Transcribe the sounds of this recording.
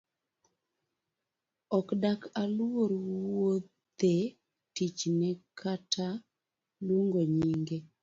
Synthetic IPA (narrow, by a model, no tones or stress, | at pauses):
ɔkdakaloɾwo | t̪e | tit͡ʃnɛkʰatʰa | luŋɡoɲiŋɡe